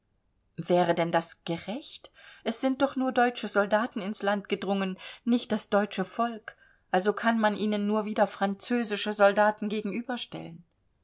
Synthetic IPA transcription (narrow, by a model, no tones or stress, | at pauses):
vɛːʁədɛndasɡ̥əʁɛçtʔɛsz̥ɪnt̚d̥ɔχnuːɐdɔʏt͡ʃəzɔldaːtn̩ɪnslantɡ̥ədʁʊŋənnɪçt̚d̥asd̥ɔʏt͡ʃəfɔlk | ʔalzokʰanmanʔiːnənːuːɐviːdɐfʁ̥ant͡søːzɪʃəzɔldaːtn̩ɡeːɡŋ̩ʔyːbɐʃtɛ̰lən